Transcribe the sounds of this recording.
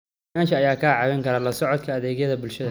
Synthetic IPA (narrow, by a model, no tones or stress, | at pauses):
aːnʃɐːjaːkʰaːʕɑβɛŋkʰɐɾɐlɐsɔʕɔd̪kʰɐːðɛːɣjɐðɐbʊlʃɐðɐ